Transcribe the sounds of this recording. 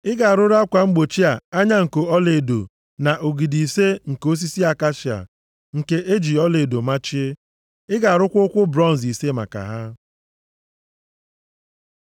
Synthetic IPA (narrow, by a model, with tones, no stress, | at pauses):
ɪ˦ɡa˨a˨ɾʊ˦ɾa˦kʷa˨ŋ͡m̩˦ɡ͡bo˨t͡ʃi˦a˨a˦ɲa˦ŋ̩˨ko˨ɔ˦le˨do̰˨ | na˨ʔo˨ɡi˨di˨se˦ŋ̩˨ko˦s̬i˦si˦a˨ka˦ʃi˨a̰˨ | ŋ̩˨ke˦ʔe˦d͡ʒi˨ɔ˦le˨do˨ma˦t͡ʃi˦e˦ | ɪ˦ɡa˨a˨ɾʊ˦kʷʊ˦ʊ˦kʷʊ˦bɾɔ˦n˨zi˨se˦ma̰˨ka̰˨ɦa˦